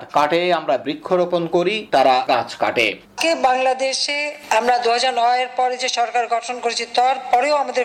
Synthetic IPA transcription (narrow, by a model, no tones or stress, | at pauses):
ɾkaʈeamɾabɾikʰːoɾoponkoɾit̪aɾaɡãt͡ɕʰka̰ʈḛ | kebaŋlad̪eʃeamɾad̪uɦad͡ʑaɾnɔeɾpɔɾd͡ʑeʃɔɾkaɾɡɔʈʰonkoɾet͡ɕʰit̪ɔɾpɔɾeoamad̪e